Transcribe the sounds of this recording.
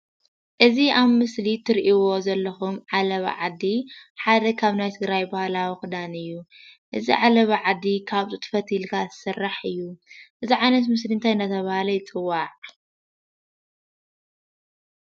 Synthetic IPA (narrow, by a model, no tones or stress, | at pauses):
ʔɨziʔaβmɨslit̪ʰɨɾʔiwo̞zɐlːɐxumʕalɐβ̰ʕa̰d̪iħad̪ɐkʰaβnajt̪ʰɨɡɾajbahlawixɨd̪anɨjːuʔɨzḭʕalɐβʕad̪ːikʰaβt̪ʼut̪ʰɨ̥fɐt̪ʰilkʰazɨsɨrːaħɨjːuʔɨziʕajnɐt̪mɨsliɨnt̪ʰajɨnd̪ɐt̪ʰɐβahalɐjɪt͡sʼɨwːaʕ